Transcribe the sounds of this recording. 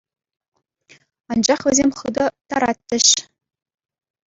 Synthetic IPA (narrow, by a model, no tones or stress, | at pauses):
ɑnd͡ʑɑχʋʲɘ̆zʲemʲχɯd̪ɤ̆t̪ɑɾɑt̪ʲːɘ̆ɕ